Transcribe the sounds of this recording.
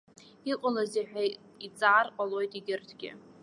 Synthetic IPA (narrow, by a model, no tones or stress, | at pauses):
iqʷʼʊlaziħᶣʷa | it͡sʼaːrqʼalo̞jtʼiɡʲɪrtʰɡʲɪ̰